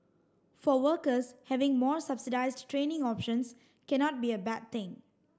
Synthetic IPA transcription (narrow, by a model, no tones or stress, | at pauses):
fɔwəkəshɛvɪ̃ŋmɔsabsidaɪsdtɹẽːnɪ̃ŋɔpʃə̃ns | kɛnɔt̚biəbɛd̚t̪ɪ̃ŋ